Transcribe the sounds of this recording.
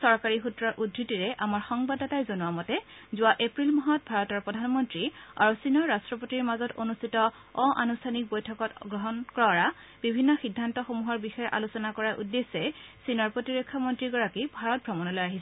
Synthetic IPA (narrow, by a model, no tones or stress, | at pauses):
sɔɹkaɹixutɹɔɹʔudʱɹitiɹɛʔamaɹxɔŋbadatajzonuwamɔtɛzʊwaʔepɹilmɔɦɔt̚bʱaɹɔtɔɹpɔdʱanmɔntɹia̰ɹusinɔɹːastɹɔpotiɹmazɔto̰nustʰitɔ | ɔʔa̰nustʰanik̚bojtʰɔkɔtɡɹɔɦɔnkɹɔɹa | b̥ibʱinːɔxidʱːantɔxomuɦɔɹbixɔjɛʔa̰lusɔnakɔɹaʔudːesɛsinɔɹpɹotiɹekʰːɔmɔntɹiɡɔɹakibʱaɹɔt̚bʱɹɔmɔnɔlojaɦisɛ